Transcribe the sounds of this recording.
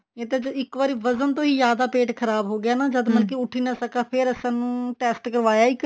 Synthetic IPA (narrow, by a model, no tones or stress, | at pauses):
et̪ẽːd͡ʒəɪkʋaːɾiːʋəzənt̪õːɦiːzjaːd̪aːpeːʈkʰəɾaːbɦoːɡɪjaːnãːd͡ʒəd̪məlk̬iːʊʈʰiːnasəkaːpʰɪɾɛsãːnũːʈɛːsʈkəɾʋaːjaːiːk